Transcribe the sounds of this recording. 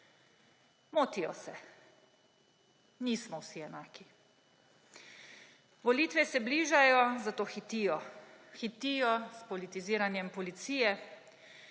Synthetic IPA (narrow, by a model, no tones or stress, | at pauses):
moːt̪ijɔ̰sɛ | niːsmɔwsiɛnaːki | ʋɔliːt̪ʋɛsɛbliːʒajɔzat̪oːxit̪ijɔxit̪ijɔspɔlit̪iziːɾanjɛmpɔlit̪siːjɛ